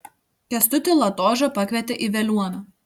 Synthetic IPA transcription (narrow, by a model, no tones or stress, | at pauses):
kʲɛst̪ʊt̪ʲɪlˠɐt̪oːʒɐpɐkʲʋʲɛt̪ʲɛʔiʋʲɛlʲuɔnɐ